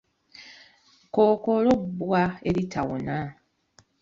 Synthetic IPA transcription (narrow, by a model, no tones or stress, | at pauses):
koːkolobːwaelitʰawo̰na